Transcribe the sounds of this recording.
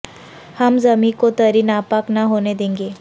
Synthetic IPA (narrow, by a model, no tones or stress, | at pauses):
hamd͡zəmikot̪əɾiːnapaknaɦoned̪ẽŋɡe